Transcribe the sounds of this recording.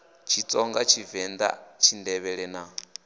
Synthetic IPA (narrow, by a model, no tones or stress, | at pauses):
t͡ʃʰit͡sʼɔŋɡat͡ʃʰivɛnd̪a̰t͡ʃʰindɛβɛɺɛna